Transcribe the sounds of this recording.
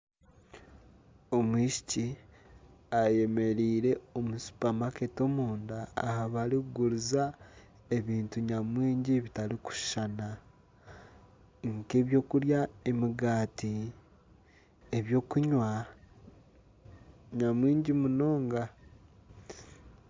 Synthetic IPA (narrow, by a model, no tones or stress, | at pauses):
omwiːʃi̥ci | aje̞me̞ɾiːɾe̞omusu̥pamake̞to̞muːnda̰ːhaβaɾikuɡuɾuza | e̞βiːntuɲamwiːɲɟiβitaliku̥ʃʃana | ŋke̞βjo̞ːkuɾjaemiɡaːti | eβjo̞ːkuɲwa | ɲamwiːɲɟimuno̞ːŋɡa